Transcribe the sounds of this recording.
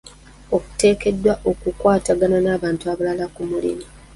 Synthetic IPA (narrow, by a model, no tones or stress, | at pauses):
o̞ku̥te̞ːke̞dːwaʔo̞kukwaːtaɡananaːβaːntuaβalalakumulḭmi